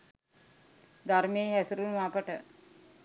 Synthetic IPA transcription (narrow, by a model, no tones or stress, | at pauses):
d̪aɾmeːɦæsuɾunʋaːpəʈə